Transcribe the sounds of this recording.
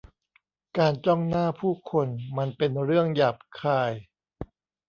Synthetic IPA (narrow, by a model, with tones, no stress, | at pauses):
kaː˧nt͡ɕɔ˥˩ŋnaː˥˩pʰuː˥˩kʰo˧nma˧npe˧nɾɯ˥˩əŋja˨˩p̚kʰaː˧˩j